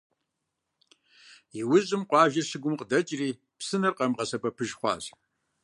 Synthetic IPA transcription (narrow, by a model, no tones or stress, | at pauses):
iwʊʑʼɪmqʷʼɑːʒɐʂɨɡʷʊmqʼədɐt͡ʃʼriː | psɨnɨrqʼɐmqɐsɐpʼɐpʰɨʒχʷɑ̰ːɕ